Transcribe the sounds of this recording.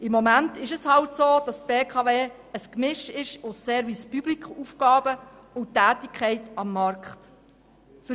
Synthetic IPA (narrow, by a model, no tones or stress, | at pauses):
ɪmːɔmæntɪʃəshɑltsoːd̥ɑstb̥eːkʰɑveː | əskmɪʃɪʃʊssɛːɾvispyblikχufkɑːbə | ʊntːæːtɪkʰχɛɪtɑmːɑɾkχt | fə